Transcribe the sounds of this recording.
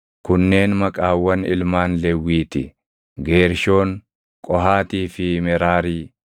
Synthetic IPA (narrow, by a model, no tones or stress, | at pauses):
kʊnːe̞ːnmɐkʼaːwːɐnɪ̰lmaːnlɛwːiːt̪ɪ | ɡe̞ːɾʃo̞ːŋ | kʼɔɦaːt̪iːfɪmɛɾaːɾiː